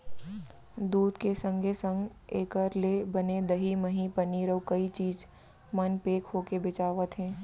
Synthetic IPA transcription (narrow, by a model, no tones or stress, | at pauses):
d̪uːd̪kesə̃ŋɡʱesə̃ŋɡ | eːkəɾlebɐned̪ɐɦimɐɦĩpɐniːɾəwkɐit͡ʃiːd͡ʒ | mənpeːkɦoːkebɪt͡ʃaːʋət̪ɦɛ̃ː